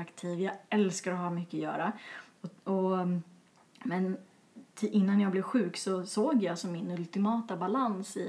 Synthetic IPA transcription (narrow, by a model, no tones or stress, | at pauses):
akt̪ʰiːvjaɛlskaɾɔhɑːmʏkːəɔjœ̰ːɾaɔɔ | mɛn | t̪ʰʔɪnːanjaːɡblɛvɧʉ̟ːksɔsoːɡjɑːsɔmːɪnɵlt̪ɪmɑːt̪abalansɪ̰